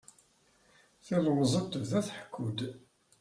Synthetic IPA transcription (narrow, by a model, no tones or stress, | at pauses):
θəlwəzˤət̪ːəvðæθħəkːud̪